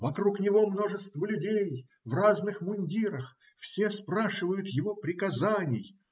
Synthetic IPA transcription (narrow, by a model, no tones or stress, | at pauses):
vɐkɾuknʲɪvo̞mno̞ʐɨst̪vəlʲʊdʲej | vraznɨxmʊnʲdʲiɾəx | fsʲespɾaʂɨvəjʊt̪jɪvo̞pɾʲɪkɐzanʲɪj